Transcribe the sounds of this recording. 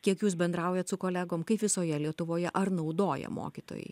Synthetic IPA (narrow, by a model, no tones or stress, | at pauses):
kʲiɛkjuːsbʲɛnd̪ɾɐʊjɛt̪sʊkoːlʲæːɡoːmkɐɪpʋʲɪsoːjɛlʲiɛt̪ʊʋoːjɛʔɐɾnɐʊd̪oːjɛ̰mo̰ːkʲiːt̪o̰ːjɛ̰ɪ